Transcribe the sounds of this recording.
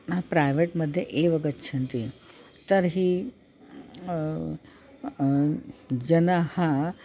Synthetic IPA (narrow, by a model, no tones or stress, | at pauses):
ãpɾajʋeʈməd̪ʱːjeʔeʋəɡətːɕʰənt̪i | t̪əɾɦi | d͡ʑɐnahã